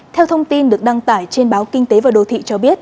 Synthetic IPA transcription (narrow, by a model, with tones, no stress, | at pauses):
t̪ʰɛ˧wt̪ʰə˧wŋ͡mt̪i˧nɗɨ˨˩ək̚ɗa˧ŋt̪aː˧˩jt͡ɕe˧nɓaː˨˦wkï˧ŋ̟t̪e˨˦vaː˨˩ɗo˨˩t̪ʰḭ˧˨t͡ɕɔ˧ɓi˦˥ət̚